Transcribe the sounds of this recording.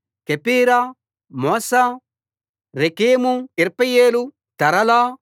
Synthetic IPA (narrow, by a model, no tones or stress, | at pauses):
kepiːɾa | mɔːsa | ɾekeːmuiɾpɐjeːlu | t̪ɐɾɐla